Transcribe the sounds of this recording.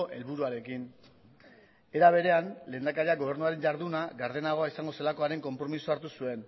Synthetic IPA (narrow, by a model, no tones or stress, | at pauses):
ʔe̞lβ̞uɾuaɾe̞kin | e̞ɾaβ̞e̞ɾe̞anle̞ːnd̪akaɾiaɡo̞β̞e̞ɾnuaɾe̞ɲɟaɾðunaɣaɾðe̞naɣ̞o̞aisaŋɡo̞selako̞aɾe̞ŋko̞mpɾo̞misuaɾt̪usue̞n